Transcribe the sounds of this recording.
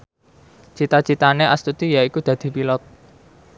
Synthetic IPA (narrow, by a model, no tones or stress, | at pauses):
t͡ʃit̪ḁt͡ʃit̪aneʔast̪ut̪ijaikud̪̥ä̤d̪̥i̤pilɔt̪̚